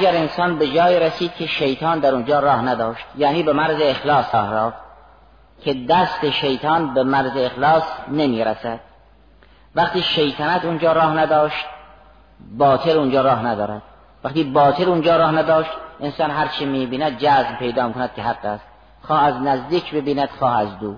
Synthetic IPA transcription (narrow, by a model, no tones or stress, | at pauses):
ɡæɾensɒːnbe̞d͡ʒɒːiːɾesiːd̪̥̚kʰʲe̞ʃejt̪ʰɑːnd̪æɾund͡ʒɒːɾɒːhnæd̪ɒːʃt̪jæːniːbemæɾzeːxlɑːsɒːhɾɒːf | kʲʰe̞d̪æst̪e̞ʃejt̪ʰɒːnbemæɾzeexlɒːsnemiːɾæsæd̪̥̚ | væχt̪iːʃejt̪ʰænæt̪und͡ʒɒːɾɒːhnæd̪ɒːʃt̪̚ | bɒːt̪ʰelund͡ʒɒːɾɒːɦnæd̪ɒːɾæd̪̥ | væqt̪iːbɒːt̪ʰelund͡ʒɒːɾɒːhnæd̪ɒːʃt̪ʔensɑːnɦæɾt͡ʃʰimiːbiːnæd̪̚d͡ʒæːzmpʰe̞jd̪ɒːmikʰonæd̪̚kʰʲeɦæɡːæst̪ | xɒːhæznæzd̪iːkʰbe̞biːnæd̪̥xɒːhæzd̪uː